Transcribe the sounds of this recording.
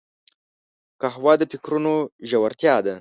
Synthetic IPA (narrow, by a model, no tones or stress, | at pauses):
kahwɑd̪əpɪkɾunoʒawaɾt̪jɑd̪a